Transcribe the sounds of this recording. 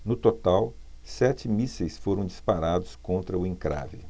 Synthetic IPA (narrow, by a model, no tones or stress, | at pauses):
nʊt̪ot̪aw | sɛt͡ʃɪmisejsfoɾɐ̃w̃d͡ʒispaɾad̪ʊskõnt̪ɾɐʊẽŋkɾa̰vɪ̰